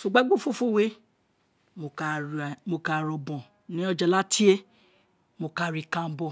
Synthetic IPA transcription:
so˨ɡ͡ba˦ɡ͡bo˦˨fo˦˨fo˦˨we˦ | mo˨mo˧ka˦˨ɾɔ˧bɔ̃˨ | nĩ˨˦ɔ˧d͡ʒa˧˨la˦tʰi˦e˦ | mo˧ka˦˨ɾi˨˧kã˧˨m̩˦bɔ˦˨

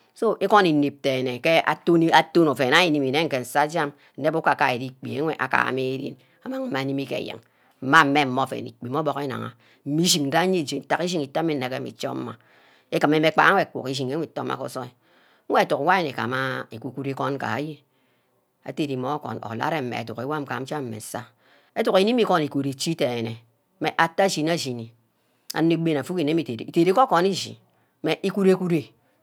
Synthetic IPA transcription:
so˦ʔe˦kɔ˦ni˨ni˨p̚te˨ne˨ke˦ʔa̰˨to˦ni˦a˦to˦no˨fe˨na˦ji˦˨ni˨mi˨ne˦ŋ̩˨ke˨n̩˨sa˦d͡ʒa˦m | n̩˨ne˦bu˦ka˨ka˨e˨di˦k͡pi˨e˦ŋʷe˨ʔa̰˨ka̰˨a̰˨me˦e˦ɾḭ˦n | a˦ma˦e˦ma˨ni˦mi˦kḛ˨jɨ̰˨ŋ | m̩˦ma˦m̩˦me˦m̩˦mo˦˨fḛ˨nḭ˨k͡pi˨mo˦bɔ˦ke˦na̰˨ŋa̰˨ | m̩˦mi˦ʃi˨ŋn̩˦da˦ɲi˦˨d͡ʒe˨n̩˦ta˨ki˦ʃi˦ŋi˨ta˦mi˦n̩˨e˨ke˦mḭ˨t͡ʃɔ̰˦m̩˦ma˨ | e˦kɨ˨me˦me˦k͡pa̰˦a˦ŋʷe˦a˨kʷṵ˨ki˦ʃi˨ŋe˨˦ŋʷe˨to˦ma̰˨ko̰˨˦so˦e˨˦ | e˦a˨tu˨kwa˦je˦nḛ˨ka̰˨ma˦e˨ku˨˦ku˦ɾe˦kɔ˦nka̰˨a̰˦ji˦ | a̰˨te˨ɾi˨mo˨˦kɔ̰˨no̰˨la̰˦ɾe˦m̩˨mḛ˨tṵ˨ke˨wa˦m̩˨ka̰˨m̩˦t͡ʃa˦m̩˨mḛ˨n˨sa˦ | e˦tu˨ke˨˦i˦mi˦ko˦ni˨ko˨ɾe˨t͡ʃi˦te˨e˨ne˨˦ | me˨ʔa˨tːa˦d͡ʒi˨n˦a˦˨d͡ʒi˨ni˨ | a̰˨nː˦e˦ɡ͡be˦na˨fu˦ki˨ne˦mi˦˨te˨ɾḛ˨te˨ɾe˦ko˦ko˨ni˦ʒḭ˨˦ | me˨ʔi˦ku˦ɾe˦ku˦ɾe˨

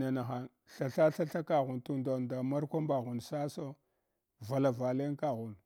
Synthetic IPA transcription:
na˨na˨xa˨n | ɬa˨ɬa˦ɬa˦ɬa˦ka˨ɣu˨ntu˦nda˨da˨ma˦ɾkʷa˦mba˨ɣu˨nsa˦so˦ | va˨la˨va˨le˦ka˦ɣu˨n

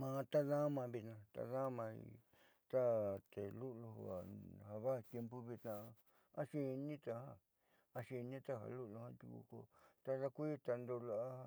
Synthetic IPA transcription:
mã˧t̪a˦ðã˦mã˧βi˧t̪nã˧t̪a̰˧ðã˦mã˧ḭ˧ | t̪a˦t̪e˨lu˦lu˧ho̰˧˨a̰˨ha˧βa˦˧t̪je˧mpu˦βi˧t̪nã˧ | a˦˧ʃi˧nĩ˦t̪a˧ha˦ | a˧ʃi˧nĩ˦t̪a˦ɦa̰˧˨lu˦lo˧hã˦t̪ṵ˧kṵ˧ko̰˧t̪a˧ða˧kʷi˦t̪a˧nd̪o˧la˧a˦˧

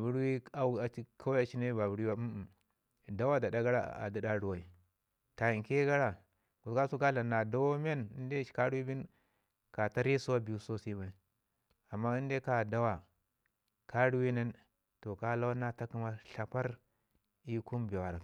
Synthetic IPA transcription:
bu˦ɾwi˦a˦a˨i˦kʰa˦a˦t͡ʃi˦ne˦ba˨bu˨ɾi˦wa˦˨ | da˦wa˦da˨da˦ɡa˦ɾa̰˦˨a̰˨da˨˦da˦ɾu˨wa˨i˨ | ta˨i˨ke˦ɡa˦ɾa˨ | ɡu˨ska˦su˦ka˦la˨na˨da˦a˦m˦e˦ni˦nde˦ka˦ɾu˦wi˦bi˦n | ka˨ta˦ɾi˦so˦wa˦bi˨u˦so˦si˦ba˨i˨ | a˨mːa˦i˦de˦ka˨da˦wa˨ | ka˦ɾu˦wi˦ne˦n | to˨ka˦la˦wa˦na˦ta˦ki˦ma˦ɬa˨pa˦ɾ | i˦ku˦mbe˨wa˨ɾa˨

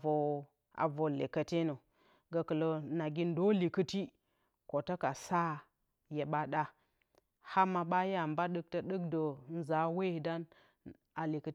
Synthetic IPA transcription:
o˨ | a̰˨vo˨le˨kə˨te˦no˨ | ɡə˨kə˨lo˨na˨ɡi˦ndo˦li˨kə˦ti˦ | ko˨tə˦ka˨sa˦ | je˨ɓa˦ɗa˦ | ha˦ma˨ɓa˦ja˨mba˦ɗɨ˦k̚tə˦ɗɨ˦kdo˨n̩˦za˨˦we˦i˨da˦n | a˨li˨kə˦

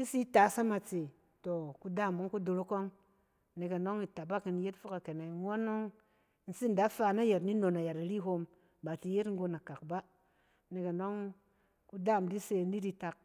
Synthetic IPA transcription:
i˦si˦ta˨˦sa˦ma˨t͡se˨ | to˨ku˨da˦˨mo˨˦ŋku˦do˨ɾo˦ko˦ŋ | ne˨ke˨no˦ŋi˨ta˨ba˦ki˨n˨je˦tfu˦ka˨ke˨ne˨ŋo˦no˦ŋ˦ | n̩˨si˦n̩˨da˨˦fa˧na˦je˨tni˦no˨na˨ja˨ɾa˨ɾi˦ɦo˧m | ba˨ti˨˧je˦tŋ̩˦ɡo˧na˨ka˨k̚ba˦ | ne˨ke˨no˦ŋ | ku˦da˦˨mdi˦se˧˨n̩˦di˦di˦ta˨k̚

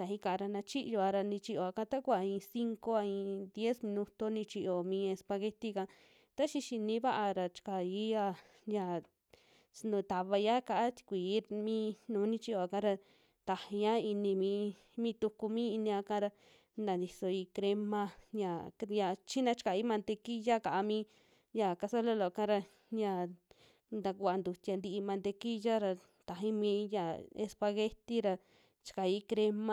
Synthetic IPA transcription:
t̪a˨hĩ˧ka˧˨˧ɾa˧nã˧t͡ʃi˦ʔjo˧a˧ɾa˧nĩ˧t͡ʃi˧ʔo˧a˧kã˧˦t̪a˦kʷa˨ĩ˧si˦˧ŋko˧a˧ĩ˧d̪je˦smĩ˧nũ˧t̪o˧nĩ˧t͡ʃi˧ʔo˨mĩ˧e˧spa˧ɣe˧t̪i˧kã˧ | t̪a˦ʃi˧ʃi˧nĩ˧˦βa˦ʔa˧ɾa˧t͡ʃi̥˧ka˨i˦ja˧ | ɲã˨ | snũ˨t̪a˨βa˧ja˦ka˧ʔa˦t̪i̥˧kʷi˨˦mĩ˦˧˦nũː˨˦nĩ˧t͡ʃi˧o˧˨a˨kã˧˦ɾa˧ | t̪a˨hi˧ɲã˦i˧nĩ˧mĩː˧ | mĩ˦t̪u˧ku˧mĩ˦i˧nĩ˧ã˧kã˧˦ɾa˧ | nã˨nd̪i˧so˧i˧kɾe˧mã˧ɲã˨ja˧˨t͡ʃi˦nã˧t͡ʃi̥˧ka˨i˦mã˧nd̪e˧ki˦ja˦ka˨ʔa˧mĩː˦ | ja˧˨ka˧sa˦lo˦lo˨˧kã˦ɾa˧ | ɲã˧˨ | nd̪a˧kʷa˧nd̪u˨t̪ʲa˧nd̪i˧ʔi˧mã˧nd̪e˧ki˦ja˦ɾa˧ | t̪a˨ɦĩ˦mĩː˧˦ja˨ḛ˧spa˧ɣe˦t̪i˦ɾa˧ | t͡ʃi̥˧ka˨i˦kɾe˦mã˧

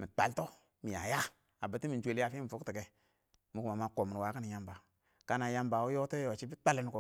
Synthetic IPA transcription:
mi˨k͡pa˨lto˦ | mi˨ja̰˨ja˦ | a˨bə˨ti˦mi˨nd͡ʒʷe˨la˦fi˦mi˨fu˦kti˨ke˨ | mu˨kma˨ma˨ko˨m˨wa˨kə˦ni˨ja˦mba˨ | ka˦na˨ja˦mba˨wu˦jo˦to˦o˨t͡ʃi˦bi˦k͡pa˦li˦n˨ko˨

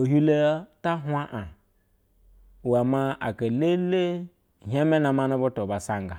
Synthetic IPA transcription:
o˨ɦu˦le˦ta˦ɦʷa˦ʔa˨ | wa˨ma˦a̰˨ka˨le˦le˦ | ɦa˦me˦na˨ma˦nu˦bo˦to˨ba˨sa˦ŋɡa˨

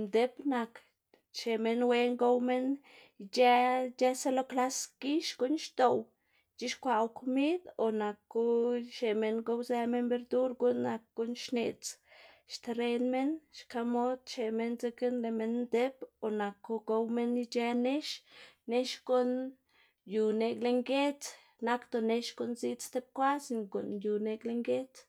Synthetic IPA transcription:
nd̪e˦pna˨k | t͡ʃe˨me˦nwe˧ŋɡo˦wme˦n˧ | d͡ʒe˦d͡ʒe˦se˦lo˦kla˦sɡ̥i˦ʃɡu˧˦nʃt̪o˨w | t͡ʃi˦ʃkʷa˨wku˧mi˦d̪o˨na˨kːu˦ʃe˨me˧nɡo˧wze˧me˦nbe˧ɾd̪u˦ɾɡu˦nːa˨k̚ɡ̥u˦nʃne˨t͡sʃt̪e˧ɾe˧nme˦nʃka˧mo˦d̪̚t͡ʃe˨me˧nze˧˦ɡɨ˦nle˨me˧nd̪e˦po˨na˨ko˧ɡo˧wme˦ni˧t͡ʃe˧ne˦ʃne˦ʃɡo˦n | ju˨ne˧ɡle˧ŋɡe˦t͡s | na˦kt̪o˨ne˧ʃɡo˧˦nzi˦t͡st̪e˦p̚kʷa˦si˧ŋko̰˨nju˨ne˧ɡle˧ŋɡe˦t͡s

